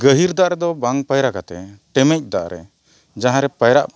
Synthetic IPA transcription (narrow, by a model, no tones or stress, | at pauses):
ɡəɦiɾd̪aʔɾɛd̪ɔbaŋpajɾakat̪ɛʈɛmɛc̚ˀd̪a̰ʔɾɛ̰ | d͡ʒaɦãɾɛpajɾaʔ